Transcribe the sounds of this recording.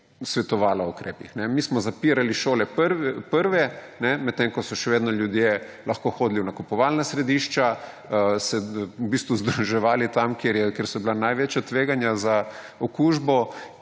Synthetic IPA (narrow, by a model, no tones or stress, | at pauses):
sʋɛt̪ɔʋaːlaukɾḛːpixnɛmismɔzapiːɾaliʃoːlɛpəɾʋɛpəɾʋɛ | nɛmɛt̪ːeŋkɔsɔʃɛʋeːd̪nɔljud̪je | lɐxkoxoːd̪liunakupɔʋalnasɾɛd̪iʃt͡ʃa | sɛubist̪ʋuzd̪ɾuʒɛʋaːlit̪amkjeɾjɛkjeɾsɔbilanajʋeːt͡ʃjat̪ʋeːɡanjaza | ɔkuʒbɔ